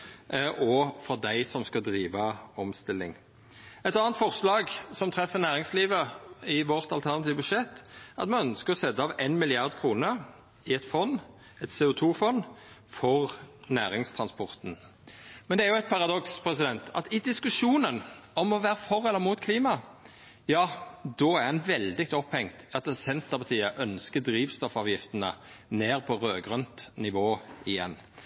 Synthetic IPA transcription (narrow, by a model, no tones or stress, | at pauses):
ʔɔfɔʁd̪æɪsɔmskɑd̪ɾiːʋəɔmst̪ɪlːɪ̰ŋ | ɛt̪ɑːnt̪fɔʁslɑːɡsɔmt̪ʰɾɛfːəʁnæːʁɪŋsliːʋəɪʋɔʁt̪ɑlt̪ʰæʁnɑt̪ʰiːʋəbʉʂɛt̪ːɑt̪mɑnœnskəʁɔsɛd̪ːəɑːʋenmɪlɪɑʁd̪kʰʁuːnəɾ | ɪɛt̪fɔnː | ɛt̪sɛːʊt̪ʰuːfɔn | fɔʁnæːɾɪŋst̪ʰɾɑnspʰɔʁt̪n̩ | mɛnd̪ɛæɾjʊɛt̪̚pʰɑʁɑd̪ɔkspʰɾɛsɪd̪ɛnt̪ʰɑ̰t̪ɪd̪ɪskʉʂuːnənɔmɔʋæːʁəfɔʁɛlːəɾmuːt̪kʰliːmɑ | jɑːd̪ɔːæʁhɛnʋɛld̪ɪk̚t̪ɔphɛŋt̪ɑt̪sɛnt̪əpʰɑt̪ʰiːəʔœnskəd̪ɾiːʋst̪ɔfɑːʋjɪft̪ənə̰neːʁpʰɔʁøːɡʁœnt̪nɪʋoːɪjɛ̰nː